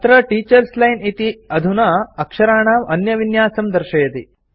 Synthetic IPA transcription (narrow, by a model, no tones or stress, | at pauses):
t̪ɾɐʈiːt͡ʃɐɾslɐjnit̪iɐd̪ʱunɐɐkʂɐɾaːɳaːmɐnjɐʋinjaːsɐmd̪ɐɾʃɐjɐt̪ḭ